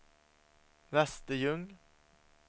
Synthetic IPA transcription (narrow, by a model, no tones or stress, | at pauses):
ɾɛst̪əjɵŋ